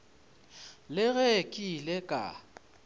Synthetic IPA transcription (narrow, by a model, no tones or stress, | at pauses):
lɪɣɛkʼilɛkʼa̰